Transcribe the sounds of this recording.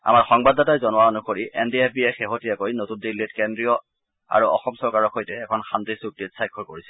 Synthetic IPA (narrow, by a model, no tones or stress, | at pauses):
a̰maɹxɔŋbadatajzɔnʊwaonukoɹiʔɛndiefʰbiexeɦotijakojnotundilitkɛndɹiɔ | a̰ɹuɔ̰xɔmsɔɹkaɹɔkʰojtɛːkʰɔnxantisuk̚ditsajkʰːɔɹkoɹisɛ̥